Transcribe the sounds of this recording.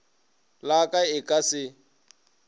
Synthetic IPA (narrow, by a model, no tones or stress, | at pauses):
lakʼaɪkʼasɪ